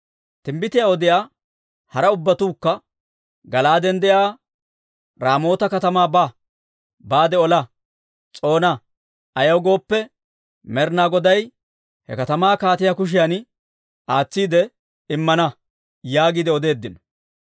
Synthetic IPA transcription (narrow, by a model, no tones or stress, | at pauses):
t̪ɪmbɪt̪ɪjaɔd̪ɪjaː | hɐɾɐʊbːɐt̪uːkːɐ | ɡɐlaːd̪ɛnd̪ɛjaː | ɾaːmo̞ːt̪ɐkɐt̪ɐmaːba | baːd̪ɛɔlɐ | t͡sʼo̞ːnɐ | ɐjɐwɡo̞ːpːɛ | mɛɾnaːɡɔd̪ɐj | hɛ̰kɐt̪ɐmaːkaːt̪ɪjakʊʃ̬ɪjɐn | ʔaːt͡sːiːd̪ɛ | ɪmːɐnɐ | jaːɡid̪ɛɔd̪e̞ːd̪ːɪnɔ̥